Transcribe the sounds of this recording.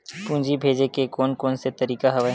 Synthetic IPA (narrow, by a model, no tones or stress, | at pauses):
pũːɲd͡ʒibʱeːd͡ʒekekɔːnkɔːnset̪ɐɾiːkaɦɐʋaɦ